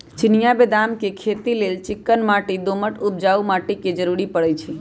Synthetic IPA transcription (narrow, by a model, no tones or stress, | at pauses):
t͡ʃɪnijabed̪amkekʰet̪ileːlt͡ʃɪkːənmaːʈid̪oməʈup̚d͡ʒaːumaːʈiked͡ʒəɾuɾipəɽət͡ʃʰi